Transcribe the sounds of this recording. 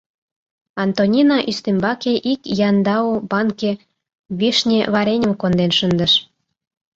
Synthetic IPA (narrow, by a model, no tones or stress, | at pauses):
ɑnt̪onʲinɑʔyst̪embɑkeʔikjɑnd̪ɑubɑŋke | βiʃnʲeβɑɾenʲə̆mkond̪enʃənd̪əʃ